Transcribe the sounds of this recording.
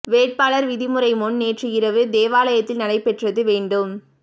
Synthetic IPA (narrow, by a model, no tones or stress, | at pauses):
ʋeːʈ̚paːɭɐɾʋɪðɪmɯɾɐɪmɔɳneːʈriɪɾɐʋɯd̪eːʋaːlɐjɐt̪ːɪlnɐɽɐɪpɛʈrɐðɯʋeːɳɖɯm